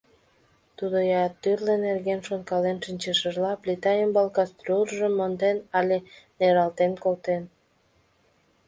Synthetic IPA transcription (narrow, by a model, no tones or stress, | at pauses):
t̪ud̪ojɑt̪ːyrlenerɣenʃonkɑlenʃinʲt͡ɕeʃəʒlɑplit̪ɑjəmbɑlkɑst̪ɾurʒəmːond̪enɑlʲeneɾɑlt̪enkolt̪en